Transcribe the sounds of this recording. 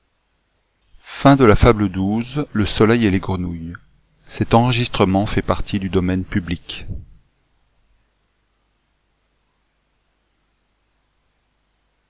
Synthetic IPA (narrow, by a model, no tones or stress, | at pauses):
fɛ̃d̪əlafabləd̪uzləsɔlɛjeleɡʁənuj | sɛt̪ɑ̃ʁəʒist̪χəmɑ̃fɛpaʁt̪ʰid̪yd̪ɔmɛnpyblik